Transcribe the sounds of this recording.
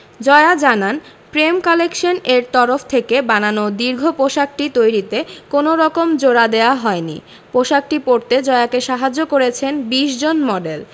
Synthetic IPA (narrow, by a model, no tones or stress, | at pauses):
d͡ʑɔead͡ʑanan | pɾemkɔlekʃoneɾt̪ɔɾoft̪ʰekebananod̪iɾɡʱopoʃak̚ʈit̪ojɾit̪ekonoɾɔkomd͡ʑoɾad̪eoaɦɔenḭ | poʃak̚ʈipoɾt̪ed͡ʑɔeakeʃaɦad͡ʑːokoɾet͡ɕʰenbiʃd͡ʑonmɔɖel